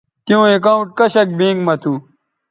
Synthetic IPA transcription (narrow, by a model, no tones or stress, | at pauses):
t̪jõːekaũʈ̚kɐɕɐk̚bẽːŋɡmɐt̪ʰu